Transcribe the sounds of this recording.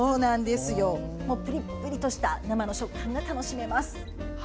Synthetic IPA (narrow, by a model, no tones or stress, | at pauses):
oːnãnd̪e̞sɨjo̞ | mo̞ːpɯ̟ɾʲipːɯ̟ɾʲit̪o̞ɕi̥t̪anamano̞ɕo̞kʰːãŋɡat̪ano̞ɕime̞masɨ̥